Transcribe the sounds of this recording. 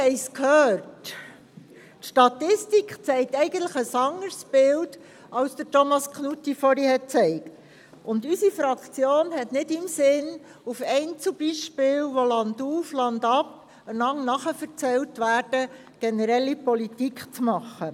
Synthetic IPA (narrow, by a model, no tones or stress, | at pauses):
hɛɪskʰhøːɾt | ʃtɑt̪ɪstikχt͡sɛɪk̚tɛɪɡən̩tləχəsɑŋːəɾsb̥ɪld | ɑlsd̥̪ətɔmɑskʰnutːifɔɾihɛt̚t͡sɛɪkt | ʊndysifɾɑkt͡sjoːnhɛtnɪdɪmsɪn | ufɛɪnt͡sub̥iʃpɪːlʋɔlɑnduːflɑndɑp | ənɑŋnɑχəfəɾt͡sɛltʋæːɾd̥ə | ɡ̥ɛnəɾɛlːipɔlitikχt͡smɑχə